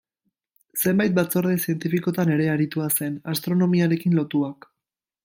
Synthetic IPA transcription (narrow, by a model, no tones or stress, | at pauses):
se̞mbajt̪̚bat͡soɾðesie̞nt̪ifiko̞t̪ane̞ɾe̞aɾit̪uase̞nast̪ɾo̞no̞miaɾe̞kinlo̞t̪uak